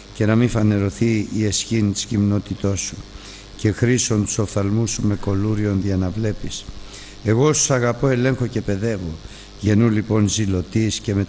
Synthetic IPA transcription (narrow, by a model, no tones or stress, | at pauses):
ce̞nɐmifɐne̞ɾo̞θiːe̞sçint̪i̥scimno̞t̪it̪o̞su | ce̞xɾiso̞nt̪u̥so̞θɐlmusume̞ko̞luɾio̞nðiɐnɐvle̞pis | e̞ɣo̞su̥sɐɣɐpo̞e̞le̞ŋxo̞ce̞pe̞ðe̞vo̞ | ʝe̞nulipo̞nzilo̞t̪isce̞me̞